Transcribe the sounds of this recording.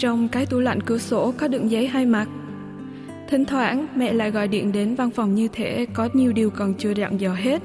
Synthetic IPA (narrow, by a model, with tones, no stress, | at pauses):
t͡ɕɔ˧wŋ͡mkaː˨˦jt̪u˧˩la̰˧˨jŋ̟kɨ˨˧˩əso˧˦kɔ˨˦ɗɨ̰˧˨ŋzə˨˦jɦaː˧jma˨˩t̚ | t̪ʰï˨˦ŋ̟t̪ʰwaː˧˥nmɛ̰˧˨la̰ː˧˨jɣɔ̰˧˨jɗḭ˧˨ənɗe˨˦nva˧nfɔ˨˩wŋ͡mɲɨ˧t̪ʰe˧˦kɔ˨˦ɲi˨˩əwɗi˨˩əwkɔ˨˩nt͡ɕɨ˧əza̰˧˨ŋzəː˧˨˩ɦe˦˥t̚